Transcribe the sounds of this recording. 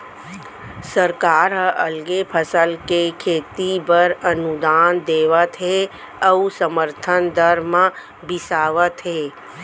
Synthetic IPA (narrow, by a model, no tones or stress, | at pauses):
səɾkaːɾɦəʔəlɡepʰəsəlkekʰeːt̪ibəɾənud̪aːnd̪eːʋət̪ɦe | əusəməɾt̪ʰənd̪əɾmã | bɪsaːʋət̪ɦeː